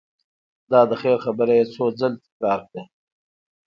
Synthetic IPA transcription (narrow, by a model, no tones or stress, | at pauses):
d̪ɑːd̪əxeːɾxabəɾajet͡sʰoːd͡zəlt̪ɪ̥kɾɑːɾkɽe